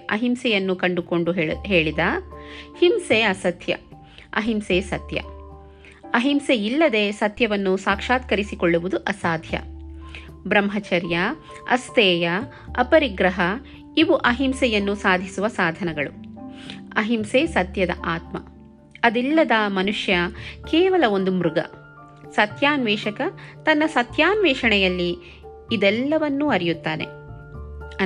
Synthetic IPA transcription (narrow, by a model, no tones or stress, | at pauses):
ɐɦimsɛjɐnːukɐɳɖuko̞ɳɖuɦeːɭid̪ɐhimseːɐsɐt̪jɐ̰ | ɐɦimseːsɐt̪jɐ̰ | ɐɦimseilːɐd̪e̞sɐt̪jɐʋɐnːusaːkʂaːt̪kɐɾisikoɭːuʋud̪uʔɐsaːd̪ʱjɐ̰ | bɾɐmɦɐt͡ʃɐɾjɐ | ɐst̪ɛːjɐ | ɐpɐɾiɡɾɐɦɐ | iʋuʔɐɦimsɛjɐnːusaːd̪ʱisuʋɐsaːd̪ʱɐnɐɡɐɭu | ɐɦimseːsɐt̪jɐd̪ɐ̰ʔaːt̪mɐ̰ | ɐd̪ilːɐd̪ɐmɐnuʂjɐkɛːʋɐlɐo̞nd̪umɾuɡɐ̰ | sɐt̪jaːnʋɛːʂɐkɐt̪ɐnːɐsɐt̪jaːnʋɛːʂɐɳɛjɐlːiː | d̪ɛlːɐʋɐnːuɐɾijut̪ːaːnḛ